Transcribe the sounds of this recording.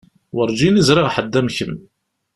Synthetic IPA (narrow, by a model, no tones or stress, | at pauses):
wəɾˤd͡ʒinizɾɪʁħəd̪ːæmçəm